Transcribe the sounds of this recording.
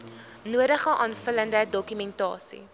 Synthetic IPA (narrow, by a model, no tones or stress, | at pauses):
nuədəχəʔɑːnfələndədɔkymɛntɑ̰ːsḭ